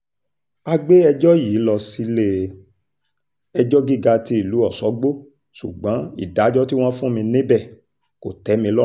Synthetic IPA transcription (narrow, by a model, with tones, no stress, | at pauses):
a˧ɡ͡be˦ɛ˧d͡ʒɔ˦jiː˨˦lɔ˧si˦le˦ | ɛ˧d͡ʒɔ˦ɡi˦ɡa˧ti˧i˦˨lu˨˦ɔ˦˨sɔ˨˦ɡ͡bo˦ | sṵ˨ɡ͡bã˨˦ḭ˦˨da˨˦d͡ʒɔ˦ti˦w̃ɔ̃˦fũ˦mĩ˧nĩ˦bɛ˦˨ | ko˨tɛ˨˦mĩ˧lɔ˦